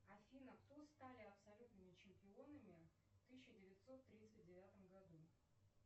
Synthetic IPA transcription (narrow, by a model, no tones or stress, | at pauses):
ɐfʲinəpt̪ust̪alʲɪɐpsɐlʲut̪nɨmʲɪt͡ɕɪmʲpʲɪo̞nɨmʲɪ | ft̪ɨɕːɪdʲɪvʲɪt̪so̞t̪ːɾʲit̪sɨt̚ʲdʲɪvʲat̪əmɡɐd̪u